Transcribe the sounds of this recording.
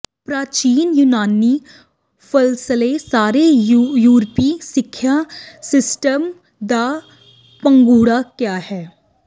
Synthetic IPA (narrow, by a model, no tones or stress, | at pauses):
pɾaːt͡ʃiːnjunaːni | fəlsəlesaːɾejuːɾpisɪkʰːjasɪsʈəm | d̪aː | pə̃ŋɡuːɽakjaːhɛː